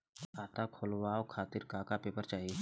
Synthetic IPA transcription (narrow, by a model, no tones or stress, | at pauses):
aːt̪akʰolwaːokʰaːt̪ɪɾkaːkapeːpəɾt͡ʃaːɦie